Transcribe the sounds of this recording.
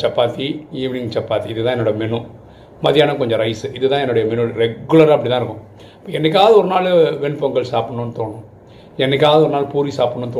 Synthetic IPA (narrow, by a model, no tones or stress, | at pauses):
t͡ʃɐpːaːt̪iiːʋɪnɪŋt͡ʃɐpːaːt̪ːiɪðɯt̪ãːɛnːɐɽɐmɛnũ | mɐðɪjaːnɐkɔɲd͡ʒɐ̃ɾɐɪsɯʔɪðɯt̪ãːɛnːʊɽɐjɐmɛnʊɾɛɡʊlɐɾaːɐpːɐɽit̪̬ːãːɪɾɯkːʊ̃ | ɐpːɐːɛnːɛk̬ʲːaːʋɐðɯɔɾɯnaːlʋɛɳpɐŋɡɐɭsaːpɪɳːonːɯt̪oːɳʊ̃ | ɛnːɛk̬ʲːaːʋðɯɔɾɐnaːlpuːɾisaːpɪɳːoːnːt̪oː